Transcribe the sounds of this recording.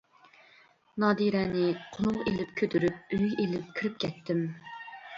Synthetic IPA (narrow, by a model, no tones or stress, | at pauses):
nɑːd̪iɾɛːnɪqʰʊnˠʊʁelɪpkʲʰød̪yɾyp̚øjʲʔelɪp̚kʲʰiɾɪp̚kʲʰɛt̪ʰːɪm